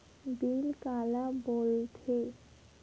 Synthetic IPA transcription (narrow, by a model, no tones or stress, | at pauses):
bilkalabolt̪ʰe